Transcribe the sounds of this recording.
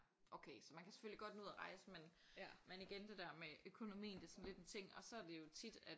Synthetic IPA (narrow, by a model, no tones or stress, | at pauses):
ʔoʊkʰeːsɒ̽mænkʰæse̥føliɡ̥ɒ̽d̥nuðˠɐʁɑ̈ɪsəmen | mæniɡ̥end̥e̝d̥æɐ̰meøkʰo̝no̝mḭːnd̥e̝sɒ̽n̩le̝d̥ent͡sʰe̝ŋ̰ɒ̽sɒ̽æɐd̥e̝jo̝t͡sʰid̥æd̥